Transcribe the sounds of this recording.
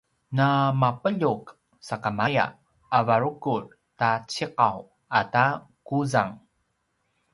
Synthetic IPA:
namapəʎuk | sakamaja̰ | avaɾukuɹ | tat͡ɕiqaw | ata | kuzaŋ

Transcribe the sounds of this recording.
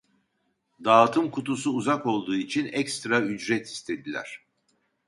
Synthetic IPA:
d̪aːt̪ʰɯmkʰut̪usuːzako̞lˠd̪uːit͡ʃʰinɛkst̪ɾayd͡ʒɾɛt̪ʰi̥st̪ʰe̞d̪ilʲæ̰ɾ̥

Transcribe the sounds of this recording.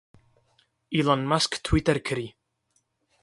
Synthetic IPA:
ilˠɔnmasktʰw̥ɪtɛrkʰəɾi

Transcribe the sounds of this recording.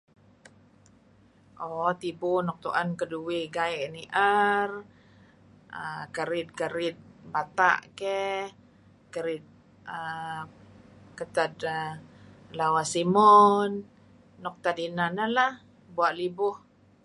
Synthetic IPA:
ʔɔt̪ibonɔk̚t̪uʔankəduwɪɡajʔniʔər | əkəɾɪt̪̚kəɾɪt̪̚bat̪a̰ʔkɛ | kəɾɪt̪̚ | ə | kət̪ad̪ə | lawasimɔnː | ɔk̚t̪ad̪inanalah | buaʔlibʊh

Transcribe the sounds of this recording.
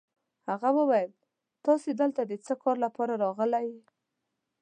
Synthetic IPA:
haɣawəwajəl | t̪ɑsed̪əlt̪ad̪ət͡səkɑɾlapɑɾaɾɑɣəlaj

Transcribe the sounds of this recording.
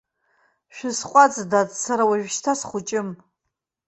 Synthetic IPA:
ʃᶣɪsqʷʼat͡sʼdat͡ssaɾawaʒᶣʃtʰasχʷʊt͡ʃʼɪm

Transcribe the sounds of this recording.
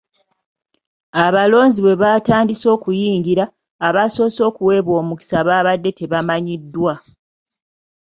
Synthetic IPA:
aβalo̞ːɲziβwe̞βaːtaːndiso̞ːkujiːŋɡiɾaː | βaso̞ːso̞ːkuwe̞βwo̞ːmuki̥saβaːβadːe̞te̞βamaɲidːwa

